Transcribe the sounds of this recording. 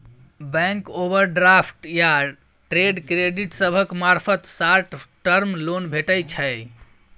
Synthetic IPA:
bɛ̃ŋkobəɾɖɾapʰʈja | ʈɾeɖkɾeɖiʈsəbʱəkmaɾpʰət̪saɾʈʈəɾmlonbʱeʈəjt͡ʃʰəj

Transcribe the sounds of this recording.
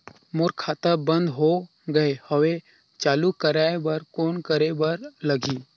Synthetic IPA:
mʊɾkʰat̪əbə̃nd̪ɦo | ɡəehəʋe | t͡ʃaːlukəɾaebəɾkoːnkəɾebəɾləɡiː

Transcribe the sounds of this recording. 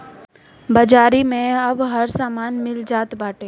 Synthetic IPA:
bɐd͡ʒaːɾimẽɐbɦɐɾsaːmaːnmɪld͡ʒaːt̪baːʈeː

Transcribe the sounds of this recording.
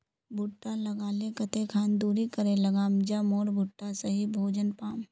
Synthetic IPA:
bʱʊʈːalɐɡaːlekət̪ekʰaːnd̪uːɾikəɾẽlɐɡaːmd͡ʒamoːɾbʱʊʈːasɐɦibʱoːd͡ʒənpaːm

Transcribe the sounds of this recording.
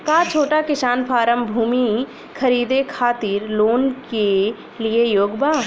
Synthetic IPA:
kaːt͡ʃʰoːʈakɪsaːnpʰaːɾəmbʱuːmi | kʰəɾiːd̪ekʰaːt̪iːɾloːnke | liejoːɡbaː

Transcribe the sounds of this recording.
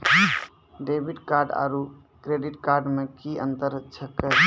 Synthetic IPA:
ɖebʱiʈkaɾɖa̰ɾu | kɾeɖiʈkaɾɖmekiənt̪əɾt͡ʃʰəkə

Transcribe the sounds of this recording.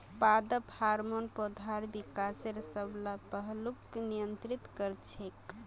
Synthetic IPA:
pad̪əphaɾmonpod̪ʱaɾbikaseɾsəblapəɦluknijənt̪ɾit̪kəɾt͡ʃʰek

